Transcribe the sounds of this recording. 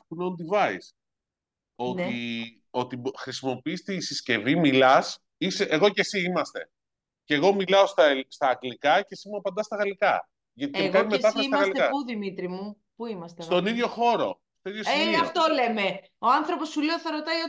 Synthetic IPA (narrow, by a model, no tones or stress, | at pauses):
t̪uneond̪ivɐḭs | ont̪i | o̞t̪ixɾisimo̞piist̪iːsisce̞vimilɐs | iseʔeɣo̞ce̞siimɐst̪e̞ | ce̞ɣo̞milɐo̞st̪ɐst̪ɐːklikɐce̞simuɐpɐnd̪ɐst̪ɐɣɐlikɐ̰ | ʝɐt̪i̥ekɐnimetɐfsɐɣɐslikɐuðimit̪ɾimu | puimɐst̪est̪o̞niðʝo̞xo̞ɾo̞̰ | st̪oiðjoseɐft̪ole̞me̞ | o̞ɐnθɾo̞po̞suleoθɐɾot̪ɐio